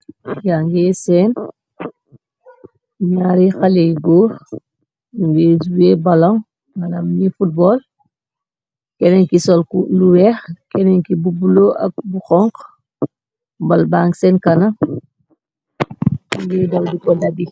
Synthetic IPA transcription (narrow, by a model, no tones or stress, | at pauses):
jaŋɡɛsɛn | ɲaɾixɐlɛjɡoː | uŋɡɛːzuwebɐlɔŋ | mɐnamnifut̚bɔːl | kɛnɛɲkisɔlkuluwɛxkɛnɛŋkibubuloʔɐ̰k̚buxɔŋk | bɐlbaːŋsɛnkɐnɐ | ŋɡɛːdɐwdukɔdɐbi